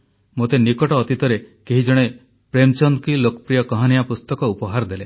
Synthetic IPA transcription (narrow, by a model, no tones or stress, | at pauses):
mot̪enikɔʈɔːt̪it̪ɔɾekeɦid͡ʒɔɽ̃e | pɾemt͡ʃɔnd̪kilokɔ̥pɾijɔkɔɦɔnijapust̪ɔkɔupɔɦaɾɔd̪ele